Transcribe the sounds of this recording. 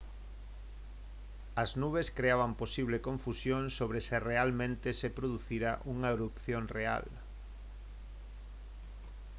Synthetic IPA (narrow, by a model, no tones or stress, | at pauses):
ɐznuβ̞eskɾeaβ̞amposiβ̞lekõɱfusjõŋsoβ̞ɾesɪrealmẽnt̪esepɾoðuθiɾaʔuŋaeɾupθjoŋrea̰l